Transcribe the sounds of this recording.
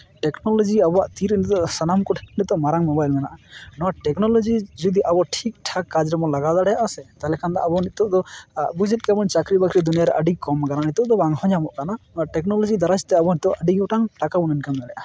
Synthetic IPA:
ʈɛknɔlɔd͡ʒiabɔaʔt̪iɾniɔʔsanamkɔʈʰnit̪̚t̪ɔʔmaɾaŋmɔbajlmɛnaʔanɔwaʈɛknɔlɔd͡ʒid͡ʒud̪iʔabɔʈʰik̚ʈʰakːad͡ʒɾɛmɔlaɡad̪aɽɛjaʔasɛt̪alɛkʰand̪a̰ʔabɔnit̪̚t̪ːɔʔd̪ɔbud͡ʒɛt̪̚ˀkamɔnt͡ʃakɾibakɾid̪unijaɾɛʔəɖikɔmkananit̪ɔʔd̪ɔbaŋhɔɲamɔʔkananɔʈɛk̚nɔlɔd͡ʒid̪aɾat͡ʃt̪ɛabɔnit̪ɔʔʔəɖiɡɔʈaŋʈakabunɛnkanmɛlɛʔa

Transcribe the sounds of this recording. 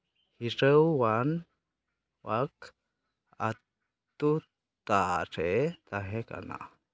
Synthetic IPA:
hiɾəwwan | wak | a | t̪u | t̪aɾet̪aɦeka̰na̰

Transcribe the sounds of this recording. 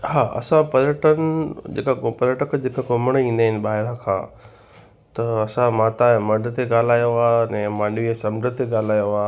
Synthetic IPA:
ɦaːʔɐ̰sãpɐɾəʈənd͡ʑḛːkapɐləʈəkd͡ʑeːkakoməɽ̃ĩːnd̪aːɦɪnɪ̆ɓaːɦɪɽãkʰã̰ː | t̪ɐɐsãmaːt̪amɐɖʱt̪eɡaːl̤aːjoaːɐnɛ̃ːmãːnʋisɐ̃mdʱət̪eɠaːl̤aːjoaː

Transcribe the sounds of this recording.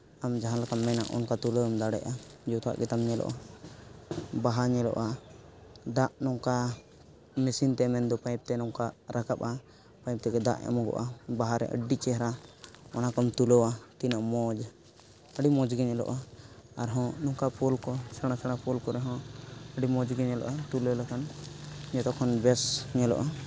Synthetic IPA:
amd͡ʒaɦãlakamːɛnaʔɔ̰nkat̪uloamd̪aɽɛ̰ʔad͡ʒɔt̪a̰ʔɡit̪amɲɛlɔ̰ʔa | baɦaɲɛlɔ̰ʔa | d̪aʔnɔŋka | mɛsint̪ɛmɛnd̪ɔpajp̚t̪ɛnɔŋkaɾakap̚a | paip̚t̪ɛɡɛd̪a̰ʔa̰mɔɡɔ̰ʔabaɦaɾɛ̰ʔə̰ɖːit͡ʃɛɦɾaɔnakɔmt̪ulɔwat̪inaʔmɔd͡ʒ | əɖimɔ̃d͡ʒɡɛɲɛlɔ̰ʔaaɾɦɔ̃nɔŋkapɔlkɔsəɽ̃asəɽ̃apɔlkɔɾɛɦɔ̃əɖimɔ̃d͡ʒɡɛɲɛlɔ̰ʔat̪uləlakanɲɛt̪ɔkʰɔnbɛsɲɛlɔ̰ʔa

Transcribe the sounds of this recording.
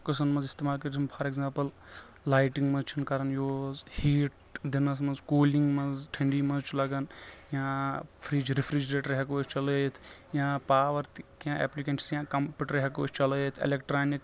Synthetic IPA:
kɨsɐnmɐnzist̪eːmaːlkɐɾt͡ʃʰinpʰɐɾeɡzãːmpɐl | laːjʈiŋɡmɐzt͡ʃʰinkɐɾɐnjoːzhiːʈ | d̪inɐs̬mɐzkoːliŋɡmɐzʈʰɐ̃ɳɖiːmɐ̃zt͡ʃʰulɐɡɐnjãːpʰɾiːd͡ʒɾifɾid͡ʒɾeːʈɾɐɦekoːt͡ʃt͡ʃɐlət̪ʰjãːpaːʋɐɾt̪kjãːʔḛːplikenʰi̥sjãːkɐmpʲuʈɾɐɦeko̰ːt͡ʃʰt͡ʃɐləːt̪ʰḛlekʈɾaːnik

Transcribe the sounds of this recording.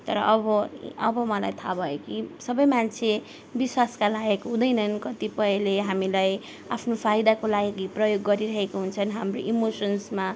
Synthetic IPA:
t̪ʌɾʌ̰ʔʌbʌʌbʌmʌla̰jt̪ʰabʱʌjokisʌbʌjmant͡sʰe | biswaskalajʌkɦũd̪ʌjnʌnkʌt̪ipʌileɦamilaj | apʰnopʰajd̪akolaɡiprʌjoɡːʌɾiɾʌɦekoɦunt͡sʰʌnɦamroʔimosʌnsma

